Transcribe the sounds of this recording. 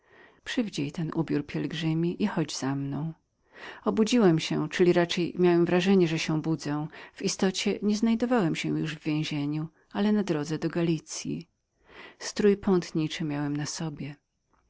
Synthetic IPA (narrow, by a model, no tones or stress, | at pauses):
pʂɘvʲd͡ʑejt̪ɛnʔubʲjuɾpʲjɛlɡʐɘmʲiʔixɔd͡ʑz̥amnɔ̃w̃ | ɔbud͡ʑiwɛmɕɛt͡ʂɘlʲiɾat͡ʂɛjmʲjawɛmvɾaʐɛɲɛʐɛɕɛbud̪zɛ̃v̥ist̪ɔt͡ɕɛɲɛznajd̪ɔvawɛmɕɛ̃juʐvːʲjẽw̃ʑeɲu | alɛnad̪ɾɔd̪zɛd̪ɔɡalʲit̪sʲjḭ | st̪ɾujpɔ̃nt̪ɲit͡ʂɘmʲjawɛmnasɔbʲjɛ